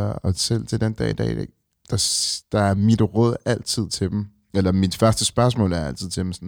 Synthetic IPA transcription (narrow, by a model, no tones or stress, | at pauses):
ɒsel̰t͡sʰe̝d̥end̥ɛ̰id̥ɛ̰ːde | d̥ɑd̥ɑ̈æɐmid̥ʁœð̰ˠæl̰t͡sʰið̞̰ˠt͡sʰe̝d̥em̩ | elɐmid̥fɶɐsd̥əsb̥ɶɐs̬mɔ̰̽ːlæɐæl̰t͡sʰið̰ˠt͡sʰe̝̥m̩sn